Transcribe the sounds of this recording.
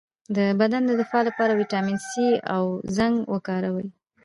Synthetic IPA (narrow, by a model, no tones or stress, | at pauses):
d̪əbad̪and̪əd̪ɪfɑlapɑɾawiʈɑminsia̰wzaŋɡwəkɑɾawəj